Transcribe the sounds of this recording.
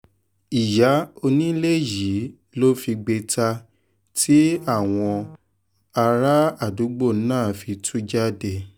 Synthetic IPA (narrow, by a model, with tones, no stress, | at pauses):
i˨ja˨˦o˧nĩ˦le˦˨ji˨˦ | lo˦fi˧ɡ͡be˧ta˧ | tʰi˦a˦˨w̃ɔ̃˧ | a˧ɾa˦a˦˨du˨˦ɡ͡bo˦˨˦nãː˦˨fi˧tʰu˦d͡ʒa˦˨de˧˨